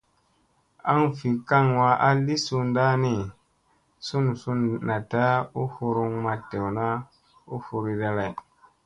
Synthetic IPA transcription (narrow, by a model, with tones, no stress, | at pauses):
a˦ŋfi˨ka˦ŋwa˧ʔa˦li˦su˧nda˦ni˨ | su˦n˨su˧nna˨ta˦u˦hu˧ɾu˧ŋma˧te˨wna˦ | u˦fu˧ɾi˧da˧ɾe˨